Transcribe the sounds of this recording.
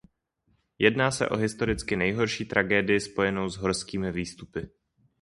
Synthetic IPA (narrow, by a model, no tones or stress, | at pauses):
jɛdnaːsɛ̰ʔo̞̰ɦɪst̪o̞ɾɪt͡skɪnɛjɦo̞ɾʃiːt̪ɾʔaɡɛːdɪjɪspo̞jɛno̞wzɦoɾskiːmɪviːst̪upɪ